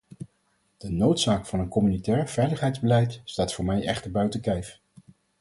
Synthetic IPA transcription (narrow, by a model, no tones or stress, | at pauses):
d̥ənowtsaːkfɑnənkɔmynitɛːɹv̥ɛjləχɦɛjdzbəlɛjtstaːtfʊːɹmɛjʔɛ̰χtəɹbœɥtəkɛjf